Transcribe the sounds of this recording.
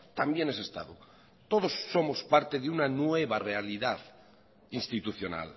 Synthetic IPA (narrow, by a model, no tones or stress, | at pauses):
t̪ambje̞ne̞se̞st̪a̰ðu | t̪o̞ð̞o̞sːo̞mospaɾt̪e̞ðeunanwe̞β̞arealiðað | inst̪it̪uθjo̞na̰l